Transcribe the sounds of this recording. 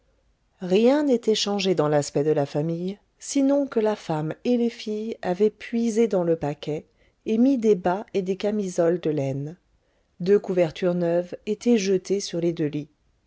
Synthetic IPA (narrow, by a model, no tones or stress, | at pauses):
ʁjɛ̃net̪ɛʃɑ̃ʒed̪ɑ̃laspɛd̪əlafamij | sinɔ̃kəlafamelefijavɛpɥized̪ɑ̃ləpakʲɛ | emid̪ebaed̪ekamizɔld̪əlɛn | d̪økuvɛʁt̪ʰyʁnœvet̪ɛʒət̪esyʁled̪øli